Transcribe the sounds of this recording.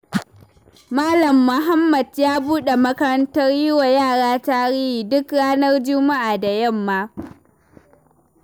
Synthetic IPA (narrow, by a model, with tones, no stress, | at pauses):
maː˦lɐ˨mːʊ˨ɦa˦mːɐ˨djaː˦buː˦ɗe˨mɐ˦kɐ˦ɾɐ˦ntɐ˦rjɪ˦wa˨jaː˦˨ɽaː˦ta˦ɽɪ˦hiː˨dʊ˦kɽaː˦nɐ˦rd͡ʒʊ˦ma˦ʔaː˨da˨jɐ˦˨mːaː˦